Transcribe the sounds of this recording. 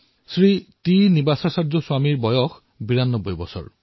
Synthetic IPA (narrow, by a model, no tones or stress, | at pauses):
sɹitinibasasaɹzɔswamiɹbɔjɔx | biɹanːɔbːɔjbɔsɔ̰ɹ